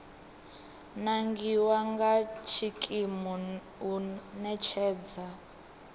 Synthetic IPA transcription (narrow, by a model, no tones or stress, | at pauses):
naŋɡiwaŋɡat͡ʃʰikʼimɔ | unɛt͡ʃʰɛːd͡za